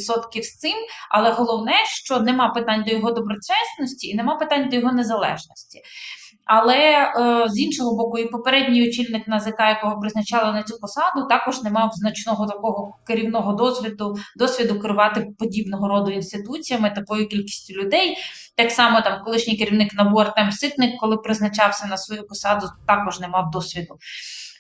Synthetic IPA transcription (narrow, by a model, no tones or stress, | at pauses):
sɔt̪kʲiwst̪sɪmɐ̰lˠɛɦɔlˠɔwnɛʃt͡ʃɔnɛmɑpɪt̪ɑnʲd̪ɔjɔɦɔd̪ɔbɾɔt͡ʃɛsnɔsʲtʲiːnemɑpɪt̪ɑnʲd̪ɔjɔɦɔnezɐlˠɛ̰ʒnɔsʲtʲi̥ | ɐlˠɛzinʃɔɦɔbɔkʊipɔpeɾɛdʲnʲijʊt͡ʃilʲnɪknɐzekɑjɐkɔɦɔpɾɪznɐt͡ʃɑlˠɐnɐt͡sʲupɔsɑd̪ʊt̪ɑkɔʒnemɑwznɐt͡ʃnɔɦɔt̪ɐkɔɦɔkeɾʲiwnɔɦɔd̪ɔʋʲd̪ʊd̪ɔsʲʋʲid̪ʊkɪɾʊʋɑt̪ɪpɔdʲibnɔɦɔɾɔd̪ʊinst̪ɪt̪ut͡sʲijɐmɪt̪ɐkɔjʊkʲilʲkʲi̥sʲtʲilʲʊd̪ɛj | t̪ɑksɑmɔt̪ɑmkɔlˠɪʃnʲɪjkɪɾʲiwnɪknɐbuɐrt̪ɛmsɪt̪nɪkːɔlˠɪpɾɪznɐt͡ʃɑwsʲɐnɐsʋɔjupɔsɑd̪ʊt̪ɑkɔʒnɛmɑwd̪ɔsʲʋʲid̪ʊ